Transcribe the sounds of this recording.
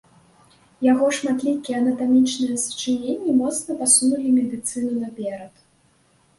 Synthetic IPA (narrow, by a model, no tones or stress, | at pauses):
jaɣɔʂmat̪lʲikʲiɛɐnɐt̪amʲit͡ʂnɨjɛst͡ʂɨnʲenʲːimɔt̪snɐpasunulʲimʲɛd̪ɨt̪sɨnunɐpʲɛɾɐt̪